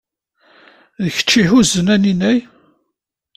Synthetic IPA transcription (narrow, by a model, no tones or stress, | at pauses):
ðəçə̥t͡ʃːihuzənæninæj